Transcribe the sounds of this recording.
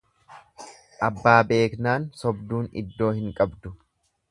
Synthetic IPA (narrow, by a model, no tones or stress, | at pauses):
ʔɐbːaːbe̞ːknaːnsɔbd̪uːnɪ̰d̪ːo̞ːhɪŋkʼɐbd̪ʊ